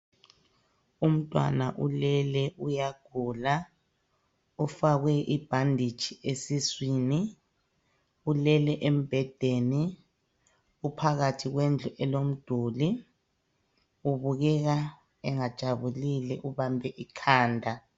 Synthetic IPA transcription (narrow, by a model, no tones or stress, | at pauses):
um̩tʼwa̰naʔulɛlɛʔujaɡ̥ʱula | ufaɣwɛʔib̥ʱandʱi̥t͡ʃʰʼiʔesiswiːni | ulɛlɛʔem̩b̥ʱɛd̥ʱeni | upʰaɣatʰiɣwend͡ɮʱuʔɛlom̩d̥ʱuːli | uβuɣɛɣa | ɛŋad̥ʒ̥ʱaβulilɛʔuβambʱɛʔikʰaːndʱa